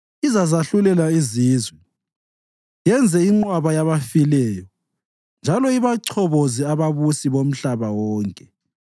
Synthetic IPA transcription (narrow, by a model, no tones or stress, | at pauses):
izazaɬulɛlaiziːzwɛ | jɛnd͡zʱɛiŋ͡ǃwaβajaβafilɛːjɔ | nd͡ʒʱalɔiβaǀʰɔβoziaβaβusiβom̩ɬaβawɔːŋkʼɛ